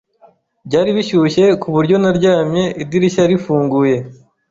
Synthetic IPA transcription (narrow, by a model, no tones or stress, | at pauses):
bɟaːɾiβiʃuʃe̞kuβuɾɟo̞naɾɟaːmɲe̞ʔidiɾiʃaɾifuːŋɡuje̞